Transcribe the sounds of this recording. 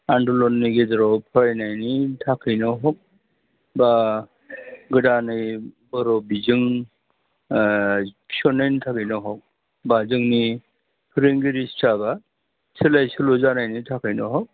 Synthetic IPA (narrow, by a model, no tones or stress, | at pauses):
andɔlɔnːiɡedɔɾɔpʰɔɾajnajnitʰakʰɯjnɔɦɔk̚ | ba | ɡɯdanɯj | bɔɾɔbizɯŋ | sɔnejntʰakɯjnɔɦɔk̚ | bazɯŋni | pʰɾeŋɡiɾistʰaba | silajsulozanajnitʰakʰɯjnɔɦɔk̚